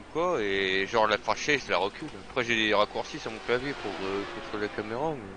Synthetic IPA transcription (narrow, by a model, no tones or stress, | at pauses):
kwaeʒɑ̃ʁlafaʃeʒəlaʁəkʲylapχɛʒed̪eʁakuʁsisyəʁmɔ̃klavjepuʁøkuʁt̪ulakameʁamɛ